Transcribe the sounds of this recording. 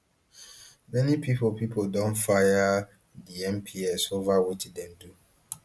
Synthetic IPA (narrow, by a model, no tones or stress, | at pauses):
mɛnipʰipolpipoldõnfaja | diɛ̃mpʰiɛsovawetidɛ̃mdu